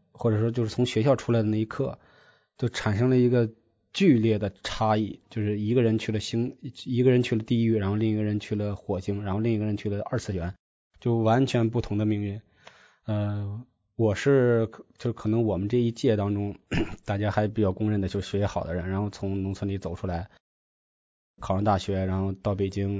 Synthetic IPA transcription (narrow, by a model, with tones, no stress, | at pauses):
xwɔ˥˩ʈ͡ʂɤ˨˩ʂ̬wɔ˥t͡ɕjo˥˧ʊʂɻ̩˥˩t͡sʰʊ˧˥ŋɕɥɛ˧˥ɕjɑ˥˧ʊʈ͡ʂʰu˥la˧˥ɪd̪ə˧na˥˩i˧˥kʰɤ˥˩ | t͡ɕjo˥˩ʊʈ͡ʂʰa˨˩nʂɤ˥ŋlə˧i˧˥ɡə˧ | t͡ɕy˥˧ljɛ˥˩d̪ə˩ʈ͡ʂʰa˥i˥˩t͡ɕjo˥˧ʊʂɻ̩˥˩i˧˥ɡə˧ɻə˧˥nt͡ɕʰy˥˩lə˩ɕi˥ŋt͡ɕʰi˧˥ɡə˧ɻə˧˥nt͡ɕʰy˥˩lə˩t̪i˥˧y˥˩ɻa˧˥nxo˥˧ʊli˥˩ŋi˧˥ɡə˧ɻə˧˥nt͡ɕʰy˥˩lə˩xwɔ˨˩ɕi˥ŋɻa˧˥nxo˥˧ʊli˥˩ŋi˧˥ɡə˧ɻə˧˥nt͡ɕʰy˥˩lə˩ʔə˞˥˧t͡sɹ̩˥˩ɕɥɛ˧˥n | t͡ɕjo˥˩ʊwa˧˥nt͡ɕʰɥɛ˧˥np̬u˥˩t̪ʰʊ˧˥ŋd̪ə˧mi˧˥ŋi˧˥˩ | ə˧ | wɔ˨˩ʂɻ̩˥˩˧t͡ɕjo˥˧ʂkʰɤ˨˩nɤ˧˥ŋwɔ˨˩mə˦nʈ͡ʂɤ˥˧i˥t͡ɕjɛ˥˩t̪ɑ˥ŋʈ͡ʂʊ˥ŋt̪a˥˩t͡ɕja˥xa˧˥ɪp̬i˨˩t͡ɕjɑ˥˩ʊkʊ˥ŋɻə˥˩nd̪ə˩t͡ɕjo˥˧ʂ̩˩ɕɥɛ˧˥˩ɛ˧˥xɑ˨˩ʊd̪ə˦ɻə˧˥nɻa˧˥nxo˥˧ʊt͡sʰʊ˧˥ŋnʊ˧˥ŋt͡sʰə˧˥nli˧˥t͡so˨˩ʊʈ͡ʂʰu˥la˧˥ɪ | kʰɑ˨˩ʊɻɑ˧˥t̪a˥˩ɕɥɛ˧˥ɻa˧˥nxo˥˧ʊt̪ɑ˥˩ʊpe˨˩ɪt͡ɕi˥ŋ